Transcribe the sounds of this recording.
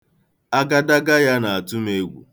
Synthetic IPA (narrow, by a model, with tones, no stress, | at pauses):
a˦ɡa˦da˦ɡa˦ja˦na˨a˨tu˦m˦e˦ɡʷṵ˨